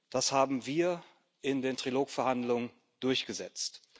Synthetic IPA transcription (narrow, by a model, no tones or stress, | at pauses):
d̥ashaːbm̩viːɐ | ʔɪndeːntʁ̥iloːkfɛɐhandlʊŋən | d̥ʊɐçɡ̥əzɛt͡st